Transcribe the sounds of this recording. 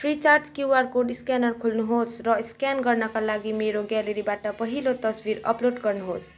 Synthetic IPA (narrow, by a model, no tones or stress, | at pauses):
pʰɾit͡ʃaɾd͡ʒkjuaɾkoɖiskɛnəɾkʰulnuɦosʰɾʌiskɛnɡəɾnakalaɡimeɾoɡɛləɾibaʈapəɦilot̪əswiɾə̰ploɖkəɾnuɦot͡ʃʰ